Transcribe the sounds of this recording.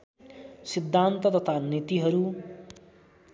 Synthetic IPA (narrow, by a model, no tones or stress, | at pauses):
sid̪ʱːant̪ʌt̪ʌt̪ʰanit̪iɦʌɾu